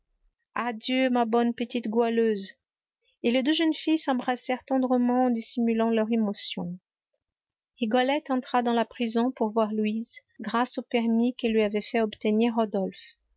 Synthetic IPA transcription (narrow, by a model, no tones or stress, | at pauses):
ad̪jømabɔnpət̪it̪ɡwaløz | eled̪øʒənfijsɑ̃bʁasɛʁt̪ɑ̃d̪ʁəmɑ̃ːd̪isimylɑ̃lœʁemɔsjɔ̰̃ | iɡɔlɛt̪ɑ̃t̪χad̪ɑ̃lapχizɔ̃puʁvwaʁluizɡʁasopɛʁmikɛlːɥiavɛfɛɔpt̪əniʁːɔd̪ɔlf